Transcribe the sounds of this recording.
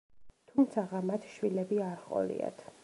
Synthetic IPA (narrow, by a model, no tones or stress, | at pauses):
t̪ʰumt̪sʰaʁamat̪ʰʃwilɛbiaɾχʼɔ̰lḭa̰t̪ʰ